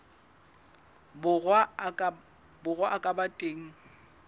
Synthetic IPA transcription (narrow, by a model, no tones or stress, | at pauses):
bʊa | bʊɣwaʔakʼabatʼeːŋ̩